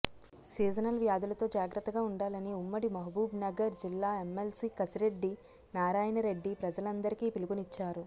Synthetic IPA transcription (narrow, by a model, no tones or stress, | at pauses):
siːd͡ʒɐnɐlʋjaːd̪ulɐt̪o̞ːd͡ʒaːɡɾɐt̪ːɐɡaːuɳɖaːlɐniumːɐɽimɐɦɐbuːbnɐɡɐɾd͡ʒilːaːe̞mːelsiːkɐsiɾe̞ɖːi | naːɾaːjɐnɐɾe̞ɖːipɾɐd͡ʒɐlɐnd̪ɐɾikiːpiluɡunit͡ʃːaːɾu